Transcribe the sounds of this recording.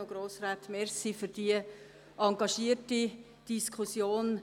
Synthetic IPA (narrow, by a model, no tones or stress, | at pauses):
oɡɾoːsraːt̪mɛɾsifyɾd̥iə | ɑŋɡɑʃiərti | d̥iskʰusjoːn